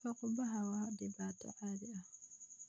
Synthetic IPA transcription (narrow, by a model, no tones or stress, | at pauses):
ɐqʊbɐɦɐwɑɖɪβaːt̪ʰɔ̰ʕaːðɪɐh